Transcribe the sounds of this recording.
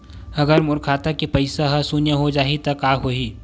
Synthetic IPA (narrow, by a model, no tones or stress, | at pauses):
ɐɡəɾmʊɾkʰaːt̪akipɐɪsaɦɐsunjəɦod͡ʒaːɦit̪ɐkaːɦoːiː